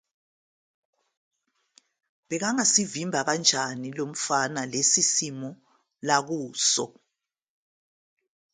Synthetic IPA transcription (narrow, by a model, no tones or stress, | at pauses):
βɛɣaŋasivimbʱaɣand͡ʒʱanilom̩fanalesisimɔ | laɣuːsɔ̰